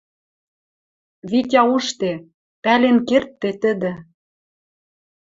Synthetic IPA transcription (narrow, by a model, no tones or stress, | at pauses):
βitʲɑuʃt̪e | pælenkert̪ːet̪ə̆d̪ɘ̆